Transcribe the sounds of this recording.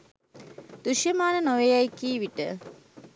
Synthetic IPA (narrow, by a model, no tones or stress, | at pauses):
d̪̥uʃjɐmaːnənoʋejajkiːʋiʈə